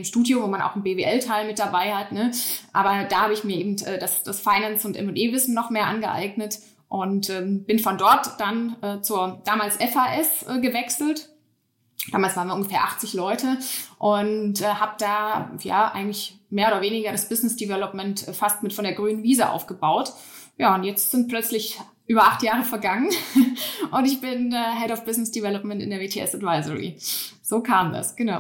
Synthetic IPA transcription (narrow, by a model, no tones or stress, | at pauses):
ɪmʃtuːdjovoːmana̰ʊxn̩beːveːʔɛltʰaɪlmɪt̚d̥abaɪhatnəʔaːbɐd̥aːhaːbəɪçmiːɐʔeːbm̩tʔɛːdasd̥asfaɪnansʊntʔɛ̰mʊntʔeːvɪsn̩nɔχmeːɐʔa̰nɡəʔa̰ɪɡnət | ʔʊntʔɛːmbɪnfɔndɔɐtd̥anʔɛːt͡suːɐd̥aːmaːlsʔɛfaːʔɛsʔːɡəvɛksl̩t | d̥aːmalsvaːɐnviɐʊŋɡəfeːɐʔaχt͡sɪçlɔʏtəʔʊntʔɛːhaːbəd̥aːja̰ːʔaɪɡŋ̩tlɪç | meːɐoːdɐveːnɪɡɐɾasb̥ɪznɪsd̥ivɛlɔpmɛntɛːfastmɪtfɔndeːɐɡʁyːnənviːzəʔa̰ʊfɡ̥əbaʊt | jaːʊntjɛt͡stz̥ɪnt̚pl̥œt͡slɪç | ʔyːbɐʔaχtjaːʁəfɛɐɡaŋən | ʔʊntɪçb̥ɪnɛːɦɛɾɔʊfb̥ɪznɪsd̥ivɛlɔpmɛntɪ̰ndeɐveːtʰeːʔɛ̰sadvaɪzəʁḭz̥oːkʰaːmda̰sɡ̥ənaʊ